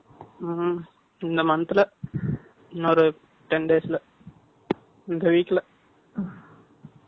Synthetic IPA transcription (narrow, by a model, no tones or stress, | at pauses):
ɪnd̪ɐmɐnɐt̪ːɪlɐ | ɪnːoɾɯ | ʈɛnɖeːsɪlɐ | ɪnd̪ɐʋiːkʲːɐlɐ